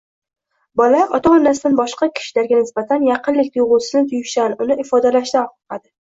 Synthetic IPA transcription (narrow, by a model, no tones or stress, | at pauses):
bɒlaʔɒt̪ʰaɒnːasɪd̪anbɒʃqɑkʲʰɪ̥ʃɪlaɾɡʲanɪsbat̪ʰanjɑqʰɨnlɪkʲt̪ʊjʁʊlˠsɪznɪt̪ʰʊjʊsanʊnɪʔɪfɒd̪alaʃt̪aqqɑd̪ɪ